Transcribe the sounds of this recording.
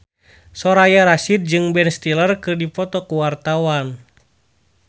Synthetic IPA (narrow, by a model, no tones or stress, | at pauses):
sɔɾajaɾasit̪̚d͡ʒɨŋbɛnst̪ilərkɨrdipɔt̪ɔkuwart̪awan